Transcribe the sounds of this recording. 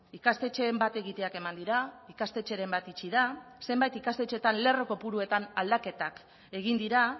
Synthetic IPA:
ikast̪e̞t͡ʃe̞mbat̪e̞ɣit̪e̞ake̞mand̪iɾaikast̪e̞t͡ʃe̞ɾe̞mbat̪it͡ʃiðase̞mbajt̪ikast̪e̞t͡ʃe̞t̪anle̞ro̞ko̞puɾue̞t̪anald̪ake̞t̪ak | e̞ɣ̞ind̪iɾa

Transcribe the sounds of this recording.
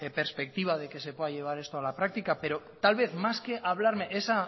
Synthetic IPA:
peɾspe̞k̚t̪iβ̞að̞e̞ke̞se̞pweðaʎe̞β̞aɾe̞st̪oalapɾak̚t̪ikape̞ɾo | t̪alβ̞e̞θmaske̞ʔaβ̞laɾme̞ʔesa

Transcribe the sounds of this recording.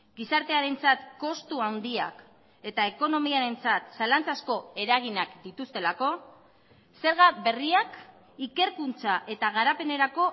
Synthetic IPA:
ɡisaɾt̪e̞aɾe̞nt͡sat̪ko̞st̪uawnd̪ia̰k | e̞t̪ae̞ko̞no̞miaɾe̞nt͡sat̪salant͡sasko̞e̞ɾaɣ̞inakd̪it̪ust̪e̞lako̞ | se̞ɾɣabe̞riak | ike̞ɾkunt͡saʔe̞t̪aɣ̞aɾape̞ne̞ɾako̞

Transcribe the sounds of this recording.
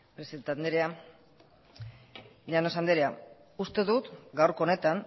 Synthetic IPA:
pɾesiand̪eɾea | leanosand̪eɾea | ust̪e̞ðut̪ɡawɾkoone̞t̪aŋ

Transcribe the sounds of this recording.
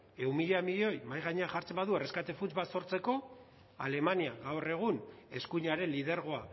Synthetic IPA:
e̞umiʎamiʎeo̞jmajɣaɲe̞axaɾt͡se̞mbaðuereskat̪e̞funt͡sbaso̞ɾt͡se̞ko̞ | a̰le̞maniaɣawre̞ɣ̞une̞skuɲaɾe̞nlið̞eɾɣ̞o̞a

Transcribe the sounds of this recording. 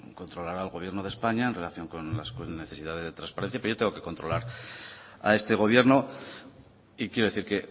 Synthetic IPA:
ko̞nt̪ɾo̞laɾaːlɣo̞β̞je̞ɾno̞ð̞e̞spaɲaenre̞laθjo̞ŋko̞nlaskne̞θe̞sið̞aðe̞zðe̞t̪ɾanspaeθjapejot̪eŋɡo̞ke̞ko̞nt̪ɾo̞laɾ | a̰e̞st̪e̞ɣ̞o̞βje̞ɾno̞ | ikjeɾo̞e̞θiɾke̞

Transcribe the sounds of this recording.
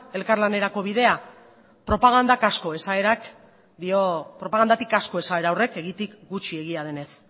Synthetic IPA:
e̞lkaɾlane̞ɾako̞βiðe̞a | pɾo̞paɣ̞and̪akasko̞e̞saeɾak | d̪io̞pɾo̞paɣand̪at̪ikasko̞e̞sae̞ɾawre̞ke̞ɣit̪ikɡut͡ʃie̞ɣiað̞e̞ne̞s

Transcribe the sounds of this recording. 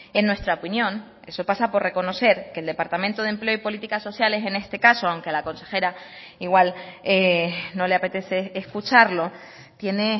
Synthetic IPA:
enwest̪ɾaopinjõ̞n | e̞so̞pasapo̞ɾre̞ko̞no̞se̞ɾkeːld̪e̞paɾt̪ament̪o̞ðemple̞oipo̞lit̪ikaso̞sjale̞se̞ne̞st̪e̞kaso̞awŋke̞lako̞nse̞xe̞ɾa | iɣwaleno̞le̞ape̞t̪e̞se̞ːskut͡ʃaɾlo̞ | t̪je̞ne̞

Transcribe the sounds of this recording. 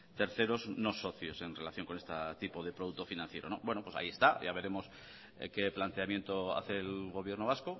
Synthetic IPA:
t̪e̞ɾθe̞ɾo̞zno̞so̞θjo̞se̞nre̞laθjo̞ŋko̞ne̞st̪at̪ipoðe̞pɾo̞ð̞ut̪o̞finãnθje̞ɾo̞no̞̰bwe̞nopwe̞sa̰ie̞st̪aʝaβe̞ɾe̞mo̞s | ke̞plant̪e̞amje̞nt̪oa̰θe̞lɣo̞β̞je̞ɾno̞β̞asko

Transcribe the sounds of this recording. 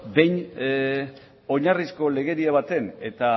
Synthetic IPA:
be̞jn | o̞ɲarisko̞le̞ɣe̞ɾiaβ̞at̪e̞ne̞t̪a

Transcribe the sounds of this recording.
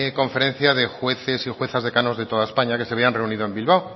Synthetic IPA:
kõ̞ɱfe̞ɾẽ̞n̟θjaðe̞xwe̞θe̞sixwe̞θazðe̞kano̞zðe̞t̪o̞ðaespaɲakese̞βeanre̞uniðoe̞mbilβ̞aw

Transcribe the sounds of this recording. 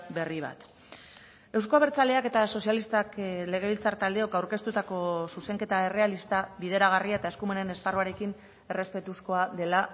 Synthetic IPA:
be̞riβ̞a̰t̪ | e̞ws̬ko̞aβeɾt͡sale̞ake̞t̪aso̞sijalist̪akle̞ɣe̞βilt͡sart̪ald̪e̞o̞kawɾke̞st̪ut̪ako̞suse̞ŋke̞t̪ae̞re̞alist̪aβiðe̞ɾaɣ̞ariae̞t̪ae̞skume̞ne̞nesparuaɾe̞kin | e̞re̞spe̞t̪usko̞aðe̞la

